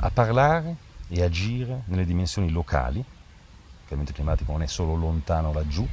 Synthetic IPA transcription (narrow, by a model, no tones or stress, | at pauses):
a̰pːarlaːɾeead͡ʒiːɾenelːed̪imensjoːnilokʰa̰ːli | kament̪oklimaːt̪ikononɛsːoːlolont̪aːnolad͡ʒːu